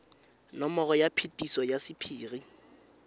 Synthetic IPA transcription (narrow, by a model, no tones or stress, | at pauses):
nɔmɔɣɔjapʰitʼisɔjasɪpʰiːɣi